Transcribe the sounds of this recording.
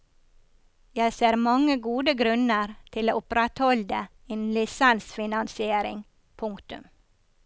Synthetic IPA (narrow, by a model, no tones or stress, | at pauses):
jæɪseːɾmɑŋəɡuːd̪əɡɾʉnəɾt̪ʰɪloːʔʊpɾɛt̪hɔld̪ə | eːnlɪsænsfɪnɑnsɪeːɾɪ̰ŋ | pʰʊŋkt̪ʉ̰m